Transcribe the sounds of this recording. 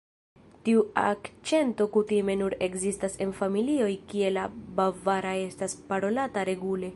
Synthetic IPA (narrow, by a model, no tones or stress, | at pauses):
tiua̰kt͡ʃe̞nto̞kutime̞nuɾe̞kzistase̞nfamilio̞jkie̞labavaɾaje̞staspaɾo̞lataɾe̞ɡule̞